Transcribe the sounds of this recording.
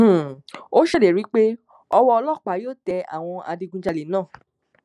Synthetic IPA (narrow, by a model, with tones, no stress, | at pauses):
o˦ʃɛ˦˨de˨ɾi˨˦k͡pe˦ | ɔ˧wɔ˧ɔ˧lɔ˦˨k͡pa˨˦joː˦˨tɛ˧a̰˨w̃ɔ̃˧a̰˧dĩ˧ɡũ˧d͡ʒa˧le˨nãː˦˨